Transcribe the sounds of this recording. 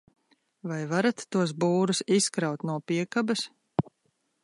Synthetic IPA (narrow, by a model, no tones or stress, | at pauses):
vajvaɾat̪ːuɔs̬buːɾusiskɾawt̪nuɔpiɛkabɐs